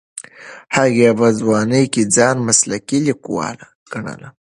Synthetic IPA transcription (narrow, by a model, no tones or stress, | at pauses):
haɣebazwɑːnəjkid͡zɑnmaslakilikuwɑ̰la | ɡ̥aɳa̰la